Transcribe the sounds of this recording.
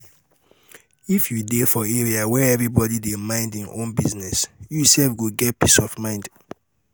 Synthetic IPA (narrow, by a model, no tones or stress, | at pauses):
ifjudefɔeɹiawɛɛvɹibɔdidemãɪ̃ndĩnõ̰nbiznɛsjusɛlfɡuɡɛt̚pisɔvmãɪ̃nd